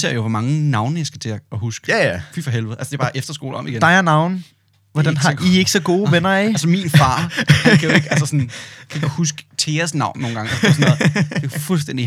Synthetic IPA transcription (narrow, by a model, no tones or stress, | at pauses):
se̝ɐ̰joʋɒmɑ̈ŋənɑ̈ʊnəjɑ̈ɪsɡ̥æt͡sʰe̝ɐɒhusɡ̥fifɒ̽ɦelʋð̩ˠælsəd̥b̥ɑ̈ːʔefd̥ɐsɡ̥o̝ːl̩ɒ̽mʔiɡ̥endɑ̈ɪɐnɑ̈ʊn̩ | ʋɒd̥ænɦɑie̝ɡ̥sɒ̽ɡ̥o̝ːʋenɐæælsəminfɑ̈ːd̥kʰæjoeɡ̥æsəsɔ̽nkʰæɡ̥ɒd̥husɡ̥ə̥t͡sʰe̝ːɐsnɑ̈ʊ̰mno̝ːn̩ɡ̥ɑ̈ŋɒssɔnɔð̩̥e̝fuls̬d̥en̰d̥i